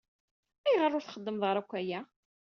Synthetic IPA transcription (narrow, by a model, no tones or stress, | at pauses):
æjʁəɾˤːʊɾθχəd̪ːəmðˤʁəɾækʷːæjæ